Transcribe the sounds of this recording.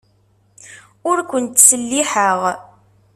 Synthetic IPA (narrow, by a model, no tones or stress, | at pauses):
ʊɾkʷənt̪səlːiħəʁ